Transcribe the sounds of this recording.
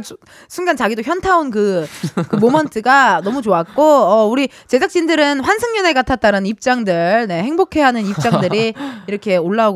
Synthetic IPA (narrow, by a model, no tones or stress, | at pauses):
sʰuŋɡant͡ɕaɡidoçjʌntʰaonkɯkɯmomʌntʰɯɡanʌmut͡ɕoak̚k͈oʌuɾi | t͡ɕe̞d͡ʑak̚t͡ɕ͈indɯɾɯnɸwansʰɯŋɲʌne̞ɡatʰat̚t͈aɾanɯnip̚t͡ɕ͈aŋdɯɭne̞he̞ŋbokʰe̞ɦanɯnip̚t͡ɕ͈aŋdɯɾiiɾʌkʰe̞oɭːauɡ